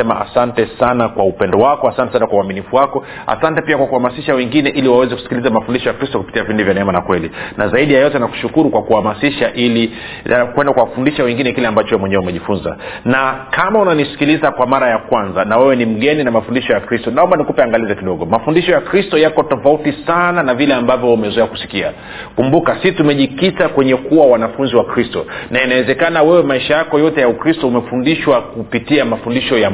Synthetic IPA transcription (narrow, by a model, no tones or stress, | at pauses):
ɛmaa̰santɛsanakwaupɛndɔwakɔasantɛsanakwauaminifuwakɔ | a̰santɛpiakwakuhamasiʃawɛŋɡinɛʔiliwawɛzɛkusi̥kilizamafundiʃɔjakɾistɔku̥pi̥tiavindivjanɛɛmanakwɛlinazaiɗijajɔtɛnaku̥ʃukuɾukwakuhamasiʃaʔili | akwɛndakwawafundiʃawɛŋɡinɛkilɛambat͡ʃɔwɛmwɛɲɛwumɛʄifunza̰nakamaunanisi̥kilizakwamaɾajakwanzanawɛwɛnim̩ɠɛninamafundiʃɔjakɾistɔnaɔmbanikupɛaŋɡalizɛkiɗɔɠɔmafundiʃɔjakɾistɔjakɔtɔfautisananavilɛambavjɔumɛzuɛaku̥si̥kia̰ | kumbukasitumɛʄikitakwɛɲɛkuwawanafunziwakɾistɔnainawɛzɛkanawɛwɛmaiʃajakɔjɔtɛjaukɾistɔumɛfundiʃwakupitiamafundiʃɔja